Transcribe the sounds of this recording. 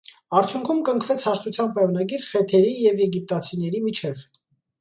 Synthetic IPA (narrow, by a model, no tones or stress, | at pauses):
ɑɾt͡sʰjuŋkʰumkəŋkʰvɛt͡sʰhɑʃt̪ut͡sʰjɑnpɑjɑnɑɡiɾχɛt̪ʰɛɾijɛvjɛɡip̚t̪ɑt͡sʰinɛɾimit͡ʃʰɛv